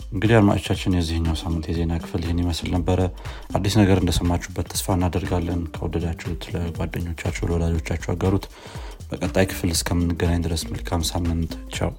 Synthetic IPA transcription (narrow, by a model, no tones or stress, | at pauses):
ʔɨŋɡɨd̪ijalma̰t͡ʃot͡ʃːat͡ʃːɪnjɛzːihɨɲːawsamːɨnt̪jɛze̞nakʰɨ̥fɨljɪhɨnjiməslnəbːəɾəʔad̪ːisnəɡəɾɨnd̪əsəmːat͡ʃːubːət̪ʰːə̥sfaɨnːad̪əɾɡalːənkʰəwɔ̰d̪əd̪at͡ʃːɛht̪ləɡwad̪ːəɲːo̞t͡ʃːat͡ʃːɛwlwɔd̪ad͡ʒo̞t͡ʃːat͡ʃːɛwa̰ɡəɾut̪ | b̥əkʼət̪ʼːajkʰɨ̥flɨskʰəmɨnːɨɡənaɲd̪ɨɾəsməlkʰamsamːɨnt̪ʼt͡ʃːa̰w